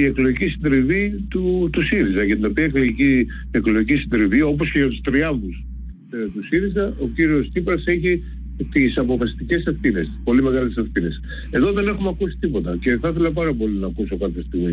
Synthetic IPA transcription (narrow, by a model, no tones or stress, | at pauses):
ie̞klo̞ʝicisind̪ɾivit̪ut̪usiɾizɐʝɐt̪ino̞piɐekloici | eklo̞ʝicisind̪ɾivio̞p̬o̞sceʝɐt̪u̥st̪ɾiɐɱðus | t̪usiɾizɐʔo̞ciɾio̞st̪ipɾɐse̞çi | t̪isɐpo̞fɐst̪ice̞sefθine̞st̪i̥spo̞lime̞ɣɐlesefθine̞s | e̞ðo̞ðe̞ne̞xumeɐkusi̥t̪ipo̞t̪ɐce̞θɐθe̞lɐp̬ɐɾɐpo̞linɐːkuso̞kɐp̪jest̪iɣmi